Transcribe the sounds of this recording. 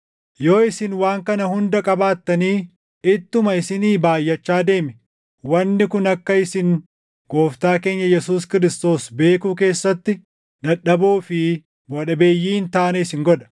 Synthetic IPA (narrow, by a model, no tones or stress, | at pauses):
jo̞ːɪsɪnwaːŋkɐnɐhʊnd̪ɐkʼɐbaːt̪ːɐniː | ɪt̪ːʊmɐɪsɪniːbaːjːɐt͡ʃːaːd̪e̞ːmɪ | wɐnːɪkʊnɐkːɐɪsɪŋ | ɡ̥o̞ːft̪aːke̞ːɲːɐjɛsuːskɪɾɪst̪o̞ːsbe̞ːkuːk̬e̞ːsːɐt̪ːɪ | d̪ɐɗɐbuːfɪ | bɔᶑɐbeːjːiːnt̪aːnɛɪsɪŋɡɔᶑɐ̥